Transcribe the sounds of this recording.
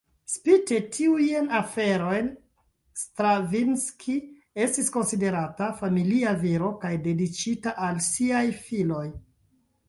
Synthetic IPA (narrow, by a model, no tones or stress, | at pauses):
spite̞tʰiujnafe̞ɾo̞jn | stɾavinskʰi | e̞stisko̞nside̞ɾatafamiliaviɾo̞kajde̞dit͡ʃitaʔalsiajfilo̞j